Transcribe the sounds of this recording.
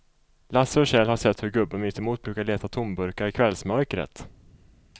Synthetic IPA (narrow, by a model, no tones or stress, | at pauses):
lasəɔɕɛːlhaʂɛt̪ːhɵɾɡɵbːənʏt̪ʰːɛmuːt̪̚bɾʉːkaɭeːt̪at̪ʰʊmbɵɾkaɾɪkʰvɛlsmœɾkɾə̰t̪